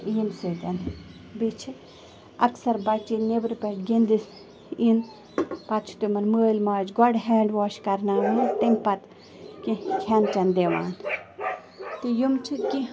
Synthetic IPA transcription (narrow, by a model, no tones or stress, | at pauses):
iːmsɨt̪ɐn | bit͡ʃʰi | ɐksɐɾbɐt͡ʃːinebɨɾpɐʈɡind̪is | in | pɐt̪t͡ʃʰt̪umɐnməːlʲmaːd͡ʒɡɔɖɦɛːɳɖʋɔːʃkɐɾnaːit̪iŋɡpɐt̪ | kikʰɛnt͡ʃɐnd̪eʋa̰ːn | t̪ɨjumt͡ʃʰit̪ki